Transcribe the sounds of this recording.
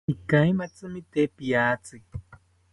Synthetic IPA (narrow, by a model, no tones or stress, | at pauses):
ikajmat͡sɨmit̪epijaːt͡sɨ